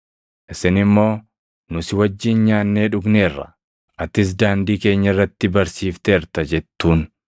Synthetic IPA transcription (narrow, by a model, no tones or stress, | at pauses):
ʔɪsɪnɪmːo̞ː | nʊsɪwɐd͡ʒːɪnɲaːnːe̞ːᶑʊɡne̞ːrːɐ̰ | ʔɐt̪ːɪs̬d̪aːnd̪iːke̞ːɲːɐɪrːɐt̪ːɪbɐɾsiːft̪eːɾt̪ɐd͡ʒɛt̪ːuːn